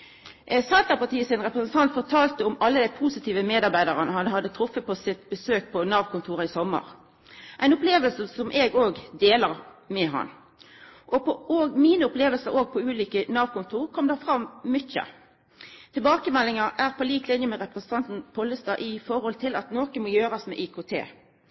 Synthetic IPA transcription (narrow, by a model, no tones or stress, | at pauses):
sɑlt̪ɑpɑʁt̪ʰiːəsɪnʁɛpɾəsən̩t̪ʰɑnt̪fɔʁt̪ʰɑːlt̪əʊmɑlːəd̪æɪpʰuːsɪt̪ʰiːʋəmeːd̪ɑʁbæɪd̪ɑʁənəhɑnɦhɑd̪ːət̪ʰɾʊfːəpɔsɪt̪bəsøːk̚pʰɔnɑːʋkʰʊnt̪ʰuːʁɑɪsɔmːə̰ʁ | ʔæɪnʊpleːʋəlsəsɔmʔeːɡoːɡd̪eːləʁmɛɦɑ̰n | ʔɔpɔoːɡmiːnəʊpleːʋəlsəʁoːɡ̚pʰɔʉːliːkənɑːʋkʰʊnt̪ʰuːʁkʰɔmd̪ɑːfʁɑmːɪçə̰ | t̪ʰɪlbɑːkəmɛlːɪŋɑʔæːʁpʰɔliːk̪ʰlɪnjəmɛʁɛpʁɛsənt̪ʰɑnt̪n̩pʰɔləst̪ɑ̰ːʔɪfɔʁhɔlt̪ʰɪlɑt̪noːkəmɔjøːɾɑsmɛ̰ʔɪkʰʊːt̪ʰḛː